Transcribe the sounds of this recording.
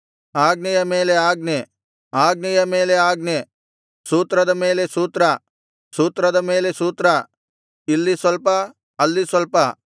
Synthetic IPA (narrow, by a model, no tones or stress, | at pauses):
aːɡnɐjɐmeːleaːɡne | aːɡɐjɐmeːleaːɡne | suːt̪ɾɐd̪ɐmeːlesuːt̪ɾɐ | suːt̪ɾɐd̪ɐmeːlesuːt̪ɾɐ | ilːisɐlpɐ | ɐlːisɐlpɐ